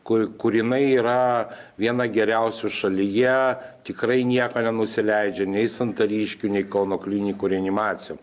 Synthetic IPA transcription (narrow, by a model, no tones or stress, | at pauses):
kʊkʊɾjɪnɐɪiːɾɐʋʲiɛnɐɡʲɛɾʲɛʊsʲʊʃɐlʲɪjɛt̪ʲɪkɾɐɪnʲiɛkoːnʲɛnʊsʲɪlʲɛɪd͡ʒʲɛnʲɛɪsɐnt̪ɐɾʲiːʃʲkʲunʲɛɪkɐʊnoːklʲiːnʲɪkuːɾʲɛɐnʲɪmɑːt̪sʲɪju